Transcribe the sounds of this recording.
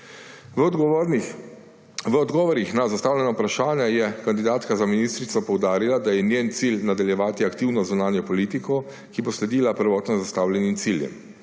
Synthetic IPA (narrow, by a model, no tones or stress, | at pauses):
ɡ | ʋəɔd̪ɡɔːʋɔɾixnazast̪aːwljɛnapɾaʃaːnjajɛkand̪id̪aːt̪kazaminist̪ɾit̪sɔpɔwd̪aːɾilad̪ajɛnjent̪silnad̪aljɛʋaːt̪iakt̪iwnɔzunaːnjɔpɔliːt̪ikɔ | kiboslɛd̪iːlapəɾʋɔːt̪nɔzast̪awlʲɛnimt̪siljɛ̰m